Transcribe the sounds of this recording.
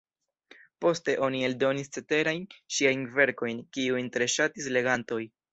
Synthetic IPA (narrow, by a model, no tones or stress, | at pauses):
po̞ste̞ʔo̞nie̞ldo̞nist͡se̞te̞ɾajnʃiajnve̞ɾko̞jnkiujntɾe̞ʃatisle̞ɡanto̞j